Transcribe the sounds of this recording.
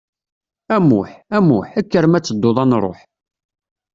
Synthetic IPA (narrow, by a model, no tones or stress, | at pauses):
æmʊħæmʊħækːəɾmæt͡sːəd̪ːoðˤɑnɾˤo̰ħ